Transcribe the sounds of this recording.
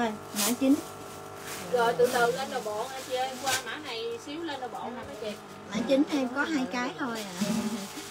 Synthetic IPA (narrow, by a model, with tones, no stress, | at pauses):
o˨˩j | ma̰ː˧˥t͡ɕi˨˦ŋ̟ | ɣɔ˨˩jt̪ɨ̰˧˨t̪ɨ˨ləː˧nɗə˨˩ɓɔ̰˧˨nʔa˧˩t͡ɕi˧˨ə˧kwaː˧ma̰ː˧˥na˨˩jsi˨˦əwləː˧nɗə˨˩ɓɔ̰˧˨naː˨˩məː˨˦jvi˨˩˨ | ma̰ː˧˩t͡ɕï˨˦ŋ̟t̪ʰe˧mkɔ˨˦ɦaː˧jkaː˨˦jt̪ʰo˧jʔaː˨˩˨